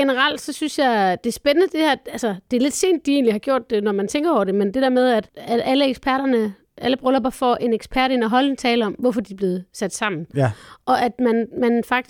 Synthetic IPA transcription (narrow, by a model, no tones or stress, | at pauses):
enəʁɑl̰d̥sɒ̽synsjɑ̈ɪd̥e̝æɐsb̥enənəd̥e̝hæɐ̰ælsɐd̥e̝æle̝d̥se̝̰ːnd̥̚ːie̝̰ːnlihɑ̈ɡ̥jo̝ɐ̰d̥ːe̝nɒmænt͡sʰeŋɡ̥ɐɒʊɐd̥e̝mend̥e̝d̥æɐmeð̞ˠæd̥æ̥æləeɡ̥sb̥ʰæɐ̰ɾ̥ɐnə | ʔæləb̥ʁɔlɐb̥ɑ̈fɒʔe̝neɡ̥sb̥ʰæɐɾe̝nɒɦɒ̽lent͡sʰɛːləɒ̽mʋɒfɒ̽d̥ib̥le̝ːð̩ˠsæd̥sɑ̈m̰n̩ʔɒ̽ʔæd̥mænmænfɑ̈ɡ̥̚d̥i